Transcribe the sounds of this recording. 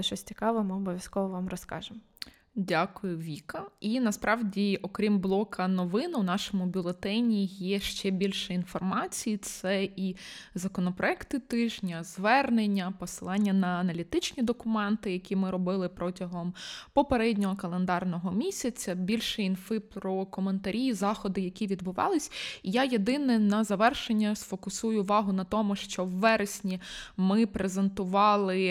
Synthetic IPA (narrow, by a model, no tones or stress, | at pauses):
ʃt͡ʃɔsʲt͡sʲi̥kɑʋɔmɪɔbɔʋʲjɐskɔʋɔʋɑmrɔskɑ̰ʒɪm | dʲakʊjʊʋʲikɐinɐspɾɑʋdʲiɔkɾʲimblˠɔkʰɐnɔʋɪnwnɑʃɔmʊbʲʊlˠet̪ɛnʲijɛʃt͡ʃɛbʲilʲʃɛinfɔrmɑt͡sʲijit̪sɛizɐkɔnɔpɾɔɛkt̪ɪt̪ɪʒnʲɐzʋɛrnenʲːɐpɔsɪlˠɑnʲːɐnɐːnɐlʲit̪ɪt͡ʃnʲid̪ɔkʊmɛnt̪ɪjɐkʲimɪɾɔbɪlˠɪpɾɔtʲɐɦɔmpɔpeɾɛdʲnʲɔɦɔkɐlˠend̪ɑrnɔɦɔmʲisʲɐt͡sʲɐbʲilʲʃɛinfɪpɾɔkɔment̪ɐɾʲijzɑxɔd̪ɪjɐkʲiʋʲid̪bʊʋɑ̰lˠɪsʲijajed̪ɪnɛnɐzɐʋɛrʃenʲːɐsfɔkʊsujʊːʋɑɦʊnɐt̪ɔmʊʃt͡ʃɔwːɛɾesʲnʲimɪpɾezent̪ʊʋɑlˠɪ